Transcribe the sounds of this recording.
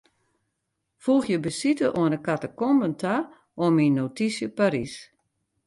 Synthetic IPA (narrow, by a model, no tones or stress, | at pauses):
fuxjəbəsitəʔoənəkatəkɔmbəntʰa | ominːotisjəpaɾis